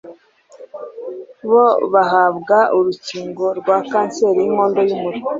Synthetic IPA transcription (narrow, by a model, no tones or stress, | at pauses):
βoβaɦaβɡauɾuciːŋɡo̞ɾɡwakaːnse̞ːɾijim̥o̞ːndo̞jumuɾi